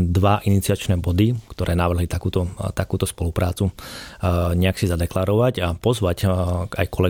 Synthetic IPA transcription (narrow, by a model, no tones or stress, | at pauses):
d̪ʋaʔinit͡siat͡ʃnɛːbɔd̪ikt̪ɔɾʔɛːnaʋr̩ɦlit̪akuːt̪ɔt̪akuːt̪ɔspɔlupɾaːt͡su | ɲɛaksizad̪ɛklaːɾɔʋacapɔzʋaca̰jkɔlɛ